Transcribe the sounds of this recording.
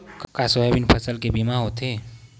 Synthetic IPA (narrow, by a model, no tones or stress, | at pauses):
kkasoebɪnpʰɐsəlkebimaɦot̪ʰeː